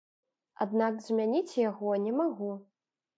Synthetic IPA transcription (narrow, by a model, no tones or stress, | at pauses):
a̰d̪nakzʲmʲanʲit͡sʲjaɣɔnʲɛmaɣu